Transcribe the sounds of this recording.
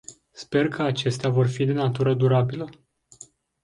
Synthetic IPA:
spe̞rkʰəat͡ʃe̞st̪eavo̞rfid̪e̞nat̪uɾəd̪uɾabilə

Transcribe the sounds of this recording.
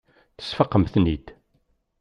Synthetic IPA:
θə̥sfəqːəmθnid̪

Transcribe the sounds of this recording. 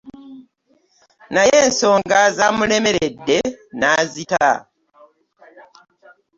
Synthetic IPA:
najeːnso̞ːŋɡazamule̞me̞ɾe̞dːe̞naːzita

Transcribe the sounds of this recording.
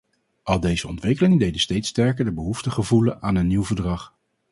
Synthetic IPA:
ʔɑlˠdejzəɔ̰ntʋɪkəlɪŋədejdəstejtstɛɹkəɹdəbəɦuftəχəvulənaːnənːiwvəɹdrɑχ

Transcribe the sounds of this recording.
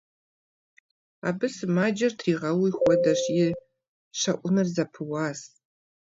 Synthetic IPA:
a̰ːbɨsmaːd͡ʒɐrtʰriːʁɐwixʷɔdɐɕjɪ | ɕɐ̰ʔʷʼʊnɨrzɐpʰɨwaːs

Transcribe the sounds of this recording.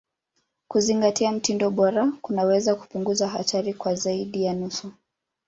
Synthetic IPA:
kuziŋɡatiam̩tindɔɓɔɾakunawɛzaku̥puŋɡuzaɦa̰tʰaɾikwazaiɗijanusu

